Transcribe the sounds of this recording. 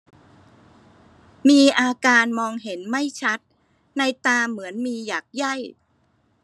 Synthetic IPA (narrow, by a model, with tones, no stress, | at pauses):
miː˧ʔaː˧kaː˧nmɔː˧ŋɦe˩˦nma˥˩jt͡ɕʰa˦˥t̪̚ | na˧jt̪aː˧mɯ˩˦ənmiː˧jaː˨˩k̚ja˥˩j